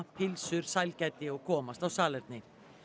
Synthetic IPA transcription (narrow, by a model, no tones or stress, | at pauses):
pʰɪlsʏɾ̥sajlcɛt̪ːɪɔɣkʰɔːmast̪awsaːlɛɾt̪nɪ